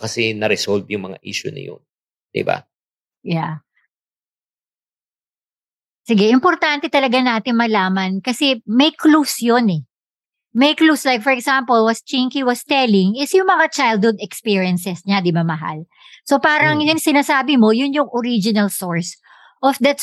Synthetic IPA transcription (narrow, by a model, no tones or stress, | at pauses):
kɐsɛnɐɾɛsolb̪jʊŋmɐŋa̰ʔiʃʊ̰nɐ̰jo̰n | d̪̥ɪ̰ba̰ | ja | sɪɡɛʔɪmpɔɾt̪ant̪ɛt̪ɐlɐɡanaːt̪ɪŋmɐlaːmɐnkɐsɛmɐjklusjonɛ | mɛjkluslajk̚fɔɹɛksampolwɐst͡ʃiŋkiwɐst̪ɛlɪŋɪsjʊŋmɐŋat͡ʃajld̪̚hʊd̪ɛkspiɹjɛnsɛsɲad̪ɪbamɐɦa̰l | so̞paːɾɐŋjʊŋsɪnaːsaːbɪmo̞jʊnjʊŋʔoɾid͡ʒɪnɐlsoɹs | ʔɔfd̪ɐt̪